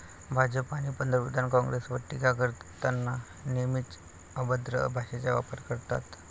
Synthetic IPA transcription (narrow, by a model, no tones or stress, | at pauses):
bʱad͡zəpañipənd̪əɾpud̪ʱankɔ̃ŋɡɾesʋəʈːikaɡəɾt̪anːa | nemit̪ | əbəd̪ɾə̰bʱaɕet͡saʋa̰pəɾkəɾt̪a̰t̪